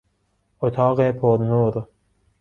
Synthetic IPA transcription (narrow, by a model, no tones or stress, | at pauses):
ot̪ʰɑːqepʰoɾnuːɾ